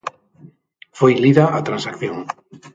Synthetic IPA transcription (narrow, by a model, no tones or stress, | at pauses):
fojliðaʔat̪ɾansakθjõŋ